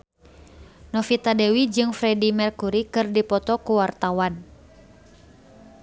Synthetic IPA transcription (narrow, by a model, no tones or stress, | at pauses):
nɔfit̪adɛwid͡ʒɨŋfɾɛdimɛrkuɾikɨrdipɔt̪ɔkuwart̪awan